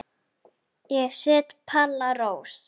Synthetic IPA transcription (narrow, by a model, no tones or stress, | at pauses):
jɛsɛːt̪pʰalːaɾoːws